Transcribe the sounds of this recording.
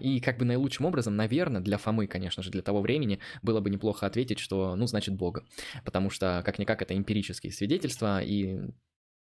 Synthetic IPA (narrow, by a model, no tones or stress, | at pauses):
ikaɡ̚bɨnəjlˠut͡ʃʂɨmo̞bɾəzəmnɐvʲe̞rnəd̪lʲɐfɐmɨkɐnʲe̞ʂnəʐɨd̪lʲət̪ɐvo̞vɾʲʔemʲɪnʲɪbɨlˠəbɨnʲɪplˠo̞xəɐt̪vʲetʲɪtʲʂt̪o̞nuznat͡ɕɪt̪̚bo̞ɡəpət̪ɐmuʂt̪okaknʲɪkakɛt̪əɪmpʲɪɾʲit͡ɕɪskʲɪ̰jəsvʲɪdʲetʲɪlʲst̪vəi